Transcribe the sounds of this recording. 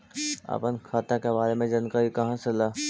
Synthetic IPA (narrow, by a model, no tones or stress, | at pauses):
ɐ̰pənkʰaːt̪akebaːɾemẽd͡ʒɐnkaɾikɐɦãselaː